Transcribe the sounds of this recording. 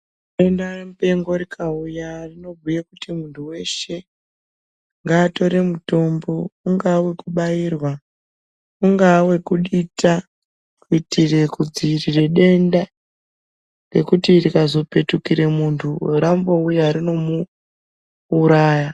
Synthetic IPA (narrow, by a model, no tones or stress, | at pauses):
ɗe̞ndaremupe̞ŋɡo̞rikʰaujarino̞bʱujekutimuntʰuwe̞ʃe̞ | ŋɡaːto̞ɾemuto̞mbo̞uŋɡawe̞kuɓairwa | uŋɡawe̞kuɗitʰa | kuitire̞kud͡ziirire̞ɗe̞nda | ɡe̞kutirikazo̞pe̞tukiɾemuntʰuramboujaɾino̞mu | ɾaːja